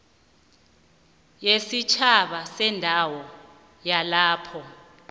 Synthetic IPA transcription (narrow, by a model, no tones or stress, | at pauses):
jesit͡ʃʰaɓasɛndʱawɔ | jalaːpʰɔ